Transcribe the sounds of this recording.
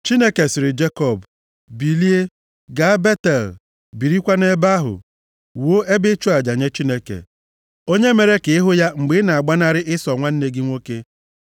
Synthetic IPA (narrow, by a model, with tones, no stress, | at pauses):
t͡ʃi˦ne˦ke˨sɪ˨ɾɪ˨d͡ʒe˦kɔ˦˨b | bi˨li˦e˦ | ɡa˦be˦tɛ˨l | bi˨ɾi˦kʷa˦ne˦ba˦ɦʊ̰˨ | wo˦ʔe˦bɪ˦t͡ʃu˦a˨d͡ʒa˨ɲe˦t͡ʃi˦ne˦kḛ˨ | o˦ɲe˦me˨ɾe˦ke˨ɪ˦ɦʊ˦ja˦ŋ͡m̩˨ɡ͡bɪ˦na˨a˨ɡ͡ba˦na˦ɾɪ˦ʔɪ˦sɔ˨ŋʷa˦n̩˦ne˦ɡɪ˦ŋʷo˦ke˦